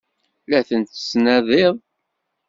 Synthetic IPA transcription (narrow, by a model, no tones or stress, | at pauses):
læθənt̪ə̥snæðˤeðˤ